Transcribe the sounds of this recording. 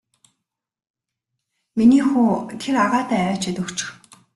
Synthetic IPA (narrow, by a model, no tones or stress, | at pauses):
miniːxuːt̪ʰeraʁaːt̪æːœːt͡ɕet̪ə̆kt͡ɕ̆x